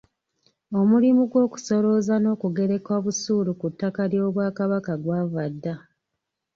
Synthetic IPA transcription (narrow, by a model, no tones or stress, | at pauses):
o̞mulimuɡwo̞ːku̥so̞ɾo̞zano̞ːkuɡe̞ɾe̞kwaβusuːlukutːakaɾjo̞ːβwaːkaβakaɡwaːvadːa